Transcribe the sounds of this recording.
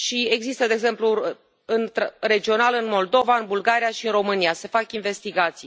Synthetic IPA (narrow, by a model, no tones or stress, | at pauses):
ʃie̞ɡzist̪əd̪eeɡze̞mplu | ɨnt̪re̞d͡ʒio̞nalɨnmo̞ld̪o̞vaɨnbulɡaɾijaʃiɨnro̞mɨnijase̞fakinve̞st̪iɡat̪sij